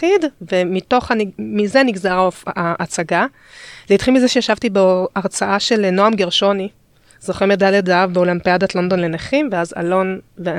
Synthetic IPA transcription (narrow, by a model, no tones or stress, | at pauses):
tidve̞mito̞χanmize̞niɡzaʁfaʔːt͡saɡa | leitχilmizeʃejaʃavtibeʔaʁt͡saʔaʃe̞lno̞amɡeʁʃo̞ni | z̥o̞χimedaledavbeolampiadat̪lo̞nd̪o̞nle̞neχimveaza̰lo̞nvea